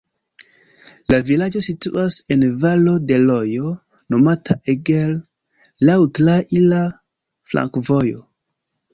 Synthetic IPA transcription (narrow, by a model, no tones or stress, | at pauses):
lavilad͡ʒo̞sitṵʔase̞nvalo̞de̞lojo | no̞matʰaʔeɡelː | awtlaʔila | fla̰ŋkvo̞jo̰